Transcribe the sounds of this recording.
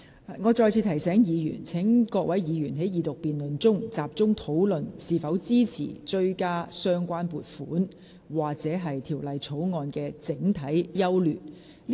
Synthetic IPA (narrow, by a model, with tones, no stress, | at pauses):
ŋɔː˨˧t͡sɔː˧jt͡sʰiː˨˧t̪ʰɐ˨˩jsɛː˨˥ŋjiː˨˧jy̰ː˨˩nt͡sʰɪ˨˥ŋkɔː˧k̚wɐ˨˥jjiː˨˧jyː˨˩nɦe˨˥jjiː˨˧t̪ʊ˨k̚piː˨nlɵ˨nt͡sʊ˥ŋt͡saː˨p̚t͡sʊ˥ŋt̪ʰo˨˥wlɵ˨nsiː˨fɐ˨˥wt͡siː˥t͡sʰḭː˨˩t͡ʃɵ˧ɥkaː˥sœː˥ŋkʷaː˥npuː˨˩t̚fṵː˨˥n | waː˨k̚t͡sɛː˨˥ɦɐ˨jt̪ʰiː˨˩wlɐ˨jt͡sʰo˨˥wŋɔː˧nkɛː˧t͡sɪ˨˥ŋt̪ʰɐ˨˥jːɐ˥wlyː˨˩n